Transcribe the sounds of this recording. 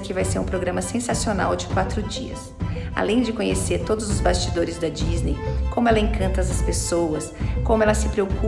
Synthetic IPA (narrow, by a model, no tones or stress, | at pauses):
kɪvajseɾũpɾoɡɾɐ̃mɐsẽsasiona̰wd͡ʒɪkwat̪ɾʊd͡ʒiɐ̰s | a̰lẽj̃d͡ʒɪkõɲeseɾt̪od̪ʊzʊzbast͡ʃid̪oɾɪzd̪ɐd͡ʒiznejkõmʊɛlɐẽkɐ̃nt̪ɐzɐspesowɐskõmʊɛlɐsɪpɾeoku